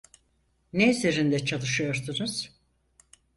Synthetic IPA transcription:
neizeɾind̪ɛt͡ʃʰalˠɯʃɯjo̞ɾd̪unuz̥

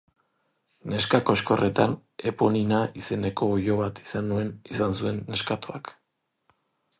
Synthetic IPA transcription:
ne̞skako̞ʃko̞re̞t̪ane̞poninaise̞ne̞ko̞ːjo̞β̞at̪i̥sanue̞nisansue̞nːe̞skat̪oak

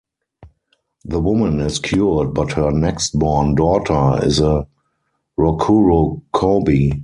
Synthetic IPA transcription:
ðəwʊmə̃nɪskʰjud̚bathɜ˞nɛkst̚bɔɹndɔːtʰə˞ɪ̰zə | ɹɔkʰuɹokʰɔbi

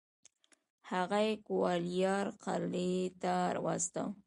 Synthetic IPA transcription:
haɣajekʊwɑlijɑɾqaɾlet̪aɾa̰wɑ̰st̪a̰

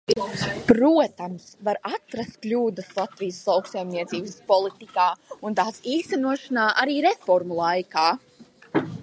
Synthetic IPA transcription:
pɾuɔt̪amsvaɾat̪ɾast̪̚klʲuːd̪əslˠat̪vijəslˠawksajmniɛt̪siːbəspɔlˠit̪ikaːunt̪aːsiːst̪ɛnuɔʃanaːʔaɾiːɾefɔɾmulˠajkaː

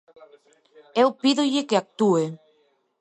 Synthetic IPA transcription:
ewpiðoʎɪkeak̚t̪ue

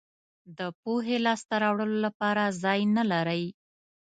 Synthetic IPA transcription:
d̪əpoɦelɑst̪aɾɑwɽəlolapɑɾazɑjnalaɾəj

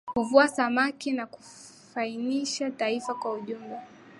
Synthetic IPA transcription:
kuvuasamakinaku̥ | fainiʃataifakwauʄumba

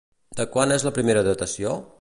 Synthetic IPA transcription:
d̪əkwanezləpɾimeɾəðət̪əsio

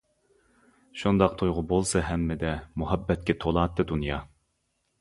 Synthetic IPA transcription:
ʃund̪ɑq̚t̪ʰujʁʊbolˠsɨɦɛmːɪd̪ɛmuɦɛbːɛt̪̚kʲɛt̪ʰolˠɑːt̪ʰːɨd̪unjɑ

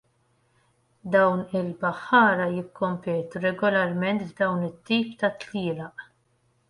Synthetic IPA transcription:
d̪ɐwnɪlbɐħːɐːɾɐjɪkːɔmpɛːt̪uɾɛɡɔlɐɾmɛnt̪bd̪ɐwnɪt̪ːiːpt̪ɐt̪liːlɐʔ

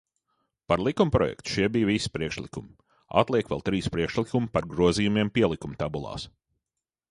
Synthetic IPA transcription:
paɾlˠikumpɾɔ̰jɛ̰kt̪u̥ʃiɛbijvisi̥pɾiɛkʃlˠikum | a̰t̪lˠiɛkʋɛ̰lˠt̪ɾiːspɾiɛkʃlˠikumpaɾɡɾuɔzijumʲiɛmpʲiɛlˠikumt̪abulˠɑ̰ːs

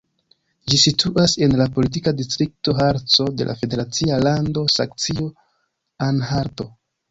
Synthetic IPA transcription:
d͡ʒisitʰuʔase̞nlapo̞lit̬ikadistɾik̚to̞ɦaɾt͡so̞de̞̰lʔa̰fe̞de̞ɾat͡sialando̞sa̰ŋk̚t͡sio̞ | anhaɾto̞

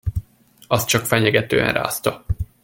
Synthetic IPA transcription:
ɒst̪̚t͡ʃɒkfɛɲɛɡɛt̪øːɛ̰nra̰ːst̪ɒ

